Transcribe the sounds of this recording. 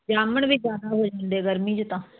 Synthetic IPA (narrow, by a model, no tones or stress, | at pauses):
d͡ʒaːməɳbid͡ʒjaːd̪aːɦoːd͡ʒãːnd̪eːɡəɾmĩːd͡ʒt̪ãː